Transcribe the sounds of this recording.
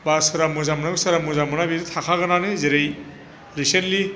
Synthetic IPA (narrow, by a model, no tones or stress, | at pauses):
basɯɾamɯzamɔnakɯsɯɾamuzamɯnabiɾitʰakʰaɡɯnanɯzeɾej | ɾisentli